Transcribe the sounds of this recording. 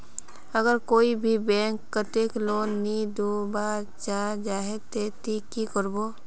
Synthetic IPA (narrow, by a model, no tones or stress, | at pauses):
əɡəɾkoːibʱibɛ̃ːŋkːət̪eːkloːnːid̪oba | t͡ʃad͡ʒaːɦet̪et̪ikːikəɾbo